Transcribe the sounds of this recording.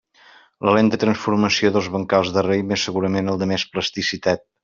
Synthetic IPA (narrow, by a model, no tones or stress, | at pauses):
ləlent̪ət̪ɾənsfuɾməsioðəlˠzβəŋkalˠzðərejmesəɣuɾəmenəlˠd̪əmespləst̪isit̪at̪̚